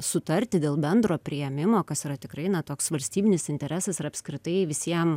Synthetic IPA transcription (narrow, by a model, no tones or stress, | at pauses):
sʊt̪ɐɾʲt̪ʲɪd̪ʲeːlˠbʲɛnd̪ɾoːpʲɾʲɪjɛmʲɪmoːkɐsiɾɐt̪ʲɪkɾɐɪnɐt̪oːksʋɐlʲsʲt̪ʲiːbʲɪnʲɪsɪnʲt̪ʲɛɾʲæsɐsɾɐpʲskɾʲɪt̪ɐɪʋʲɪsʲiɛm